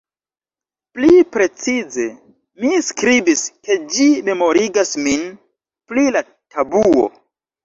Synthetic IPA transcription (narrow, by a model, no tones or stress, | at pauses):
plipɾe̞t͡size̞ | miskɾibiske̞d͡ʒime̞mo̞ɾiɡasmin | plila | tʰabuo̞̰